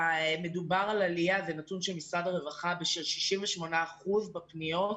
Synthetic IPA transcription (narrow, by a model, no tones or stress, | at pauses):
ame̞dubaʁalaliazenatunʃemisʁadaʁevaχabeʃelʃi̥ʃimveʃmo̞naːχuzbepnio̞t